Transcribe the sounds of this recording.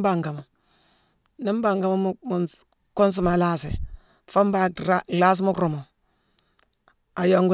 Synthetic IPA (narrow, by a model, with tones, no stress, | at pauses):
ba˨ŋɡa˨mu˨ | ni˦m˦ba˨ŋɡa˦mu˦m˦mu˨n | ku˦n˦s̬i˨ma˨la˦sḭ˨ | fo˦m˦ba˦˨˦ɡla˦s̬mu˦kɾu˨mo˨ | a˨jo˦ŋɡu˦